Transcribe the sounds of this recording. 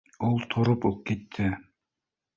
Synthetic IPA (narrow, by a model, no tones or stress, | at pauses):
ulˠt̪ʰoɾʊpop̚ket̪ʰːɪ